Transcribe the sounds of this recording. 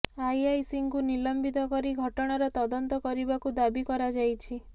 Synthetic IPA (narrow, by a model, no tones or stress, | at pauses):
ajajsiŋkunilɔmbit̪ɔkɔɾiɡʱɔʈɔɽ̃aɾɔt̪ɔd̪ɔnt̪ɔkɔɾibakud̪abikɔɾad͡ʒajt͡ʃʰi